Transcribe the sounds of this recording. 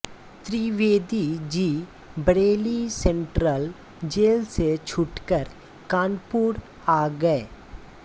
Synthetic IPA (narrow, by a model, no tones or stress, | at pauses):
t̪ɾiːʋeːd̪id͡ʒiː | bəɽeːlisɛ̃ɳʈɾəl | d͡ʒeːlset͡ʃʰʊʈkəɾ | kãːnpuːɾ | aːɡəeː